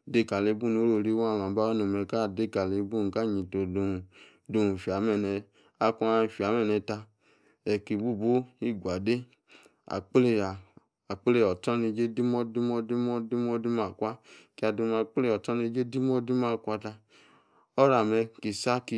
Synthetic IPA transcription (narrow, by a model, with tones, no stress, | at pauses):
de˦ka˨le˧˦bu˦˨nu˨˦ɾo˦˨ɾi˦wa˨m˨a˨˦ba˦o˦no˨mɛ˧ka˦˨de˦˨ka˨le˨˦bu˦n˨ka˦˨ɲi˨to˨do˧˨ | do˧˨u˨fi˨a˨mɛ˨nɛ˨ | a˦kʷu˧˦a˧˨fi˨a˨˦mɛ˨nɛ˧ta˧ | ɛ˨ki˨bu˦˨bo˦i˦ɡʷa˨de˦ | a̰˨k͡ple˦˨aː˨ | k͡ple˦˧˨ɔ˨tɔ˦ni˧d͡ʒe˦di˦mɔ˦di˦mɔ˦di˦mɔ˦di˦mɔ˦di˦m˦a˨kʷa˦ki˦a˧do˧˦ma˧k͡ple˦˨ɔ˨tɔ˦ni˧˦d͡ʒe˦di˦mɔ˦di˦m˦a˧˨kʷa˧ta˧ | ɔ˦ɾa˨mɛ˧ki˨sa˦ki˧